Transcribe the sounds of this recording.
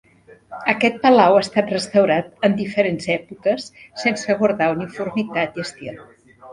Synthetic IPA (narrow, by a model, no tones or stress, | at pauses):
əkɛt̪̚pəlawast̪at̪rəst̪əwɾat̪ənd̪ifəɾenzɛpukəsːensəɣwuɾðaunifurmit̪at̪iəst̪ilˠ